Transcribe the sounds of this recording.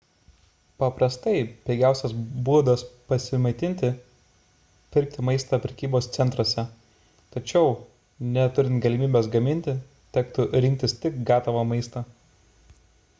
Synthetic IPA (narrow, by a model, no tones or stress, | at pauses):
pɐpɾɐst̪ɐɪpʲɛɪɡʲæˑʊsʲɛsbuɔd̪ospɐsʲɪmɐɪt̪ʲɪnʲt̪ʲɪ | pʲɪɾʲk̚t̪ʲɪmɐɪst̪ɐpʲɾʲɛkʲiːboːst̪sʲɛnt̪ɾuɔsʲɛ | t̪ɐt͡ʃʲɛʊ | nʲɛt̪ʊɾʲɪnt̪ɡɐlʲɪmʲiːbʲeːs̬ɡɐmʲɪnʲt̪ʲɪ | t̪ʲɛkt̪ʊɾʲɪŋʲk̚ʲt̪ʲɪst̪ʲɪkɡɑːt̪ɐʋɐmɐɪst̪ɐː